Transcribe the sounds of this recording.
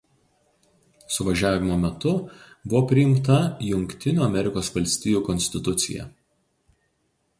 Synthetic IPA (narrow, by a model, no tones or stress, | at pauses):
sʊʋɐʒʲæːʋʲɪmoːmʲɛt̪ʊ | bʊʋoːpʲɾʲɪjɪmt̪ɐjʊŋʲkt̪ʲɪnʲuːɐmʲɛɾʲɪkoːsʋɐlʲsʲt̪ʲiːjuːkɔnʲsʲt̪ʲɪt̪ʊt̪sʲɪ̰jɛ̰